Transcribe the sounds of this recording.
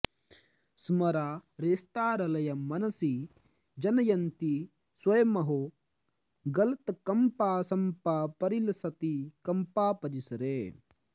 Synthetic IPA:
smɐɾaːɾeːst̪aːɾɐlɐjɐmɐnɐsi | d͡ʒɐnɐjɐnt̪i | swɐjɐmɐɦo | ɡɐlɐt̪ɐkɐmpaːsɐmpapɐɾilɐsɐt̪ikɐmpaːpɐɾisɐɾe

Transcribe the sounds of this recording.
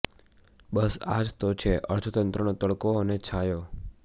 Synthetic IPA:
bəsa̰d͡ʒt̪ot͡ʃʰeʔə̰ɾd͡ʒʰot̪ənt̪ɾənot̪əɭkoənet͡ʃʰajo

